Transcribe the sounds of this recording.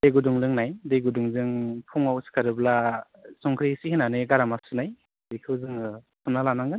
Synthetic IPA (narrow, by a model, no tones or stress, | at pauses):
deɡuduŋlɯŋnajdeɡuduŋzɯŋpʰuŋawskʰaɾɯbla | sɔŋkʰɾisihinanɯɡaɾamasunaj | dekʰɯwzɯŋɯ | sumnalanaŋɡɯn